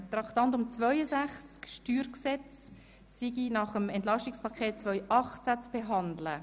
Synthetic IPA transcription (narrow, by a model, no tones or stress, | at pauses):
t̪ɾɑkt̪ɑnt̬ʊmt͡svœʏəzæχt͡skʃtyːɾksɛt͡s | siɡinɑχəmɛntlɑʃtikspʰɑkʰχeːt̚t͡sʋœʏʔɑχt͡sæt͡sb̥eɦɑndlə